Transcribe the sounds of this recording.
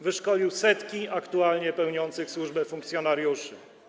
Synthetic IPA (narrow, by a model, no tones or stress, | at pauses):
vɘʂkɔlʲiwsɛt̪kʲiakt̪ualɲɛpɛwɲɔnt̪sɘxswuʐbɛfuŋkt̪sʲjɔnaɾʲjuʂɘ